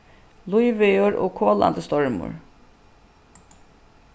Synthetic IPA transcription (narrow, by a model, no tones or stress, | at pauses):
lʊiʋeʊɹʔo̰ːkʰoːla̰nd̪əst̪ɔɹmʊ̰ɹ